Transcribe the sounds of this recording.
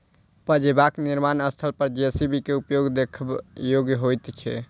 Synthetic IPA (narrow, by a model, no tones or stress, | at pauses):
pəd͡ʒebakniɾmanəst̪ʰəlpəɾd͡ʒeesibikeupjoɡd̪ekʰbjoɡjɦojt̪t͡ʃʰɛ̰